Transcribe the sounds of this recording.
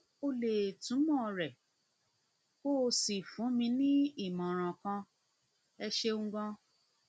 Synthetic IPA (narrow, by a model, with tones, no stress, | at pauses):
o˧le˨tũ˨˦mɔ̃˦˨˧ɾɛ˨ | ko˦˧si˨fũ˨˦mĩ˧nĩ˦i˦˨mã˨ɾ̃ã˨kã˧ | ɛ˧ʃe˧ŋ̩˦ɡɔ̃˦